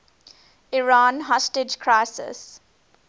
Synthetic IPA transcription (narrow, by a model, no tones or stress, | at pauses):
ɪɹãːnɦɔsʈɪd͡ʒkʰɾaɪsɪ̰s